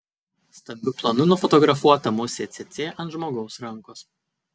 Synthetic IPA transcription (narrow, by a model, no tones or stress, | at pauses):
st̪ɐmʲbʲʊplˠɐnʊnʊfɔt̪ɔɡɾɐfuɔt̪ɐmʊsʲet̪sʲet̪sʲeːʔɐnt̪ʒmoːɡɒʊsɾɐŋkoːs